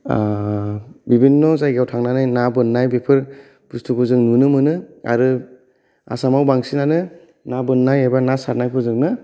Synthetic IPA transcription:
bibinːɔzajɡawtʰaŋnanajnabɯnːajbepʰɯɾ | b̥ustʰukʰɯzɯŋnunɯmɯnɯa̰ɾɯ | a̰samawbaŋsinanɯ | nabɯnːajebanasaɾ̚najpʰɯzɯŋnɯ

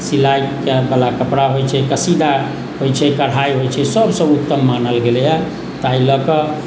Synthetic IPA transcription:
silajkebəlakəpɽaɦojt͡ʃʰɛkəsid̪a | ɦojt͡ʃʰɛkəɽ̤ajɦojt͡ʃʰɛsəbsə̃ut̪ːəmːanəlɡelja | t̪ailəkə

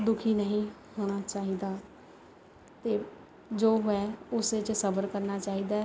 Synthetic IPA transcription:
d̪ʊkʰiːnəɦĩːhoːɽ̃aːt͡ʃaːɦiːd̪aː | t̪eː | d͡ʒoːɦɛːʊset͡ʃsəbəɾkəɾnaːt͡ʃaːɦiːd̪aː

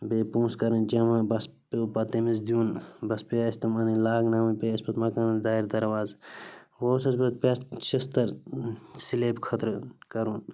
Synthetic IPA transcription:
beːpũːskɐɾɐnd͡ʒɐmãbɐspepɐt̪emiz̬d̪ijũːnbɐspeɐst̪ɐmɐnĩlaːɡnaːmipeːɐsbɐt̪mɐkaːnɐ̃d̪aːiɾd̪ɐɾʋaːzʋoːsɐsbɐt̪̚pʲɐt͡ʃist̪ɐɾsileːpkʰɐt̪ɾkɐɾuːn

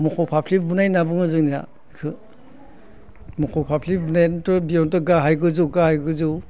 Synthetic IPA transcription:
mɔkʰɔpʰapʰlip̚bunajnabɯŋɯzɯŋnija̰ | kʰɯ | mɔkʰɔpʰapʰlip̚bunajntɔbijɔntɔɡaɦajɡɯzuwɡahajɡɯzɯw

